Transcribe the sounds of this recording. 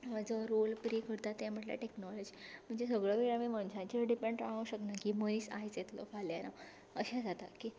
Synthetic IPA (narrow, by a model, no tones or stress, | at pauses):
ʋad͡zəɾolpɾikəɾt̪at̪jãm̤əʈlja̰ʈeknɔlɔd͡ʑim̤əɳd͡zesəɡɭəʋiɭamimənsãt͡ɕiɖipẽɳɖʈɾaə̃wɕəknakiməĩːsa̰jt͡sjet̪lɔ̰faljana | əɕãd͡zat̪aki